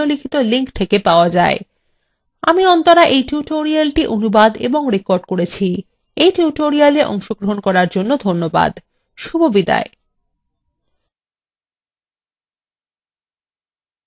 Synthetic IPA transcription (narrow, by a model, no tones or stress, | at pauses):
olikʰit̪oliŋkt̪ʰekepaoad͡ʑae | a̰miɔnt̪oɾaʔejʈuʈoɾialʈiʔonubad̪ḛboŋɾekoɾɖkoɾet͡ɕʰi | ejʈuʈoɾialeʔɔ̰ŋʃoɡɾoɦonkɔɾaɾd͡ʑonːod̪ʱonːoba̰d̪ | ʃubʱobid̪a̰e